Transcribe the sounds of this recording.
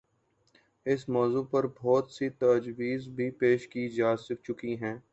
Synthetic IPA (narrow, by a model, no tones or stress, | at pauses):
ɪsmɔːzuːpɐɾbʱɔːt̪sit̪ɐd͡ʒwiːzbʱipeːʃkid͡ʒaːsɪk̚t͡ʃʊkiɦɛ̃ː